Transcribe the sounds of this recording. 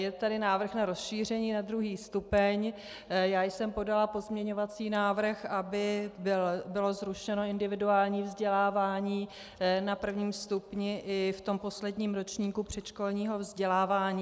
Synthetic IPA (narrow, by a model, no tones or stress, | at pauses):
jɛt̪adɪnaːvr̩xnaɾo̞sʃiːr̝ɛɲiːnad̪ɾuɦiːst̪upɛɲ | jaːjsɛmpo̞dalapo̞zmɲɛɲo̞vat͡siːnaːvr̩xʔabɪ | bɪlo̞zɾuʃɛno̞ɪndɪvɪduaːlɲiːvzɟɛlaːvaːɲiː | napr̩vɲiːmst̪upɲɪʔɪft̪o̞mpo̞slɛdɲiːmɾot͡ʃɲiːkupr̝̥ɛt͡ʃkolɲiːɦo̞vzɟɛlaːvaːɲiː